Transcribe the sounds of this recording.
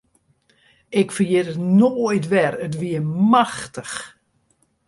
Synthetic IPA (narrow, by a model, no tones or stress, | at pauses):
ɪkfərjɪtətnoːjtʋɛrət̬ʋiəmaxtəx